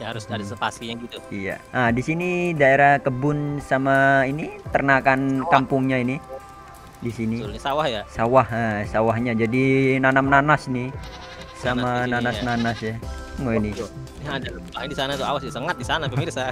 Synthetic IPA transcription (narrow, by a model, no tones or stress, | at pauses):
ɲhaɾʊsdadisəpasiaɡit̪uija̰adisinidaeɾahkəbʊnsamainit̪ərnakankampʊŋɲaini | disiniɲasawahjasawahasawahɲad͡ʒadinanamnanasni | samananasnanasjaŋoini | nadabaɦdisanat̪uawasasəŋat̪̚disanapəmirsa